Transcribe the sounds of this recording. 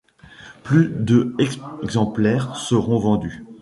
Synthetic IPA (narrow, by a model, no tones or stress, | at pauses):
plyd̪əɛɡɡzɑ̃plɛʁsəʁɔ̃vɑ̃d̪y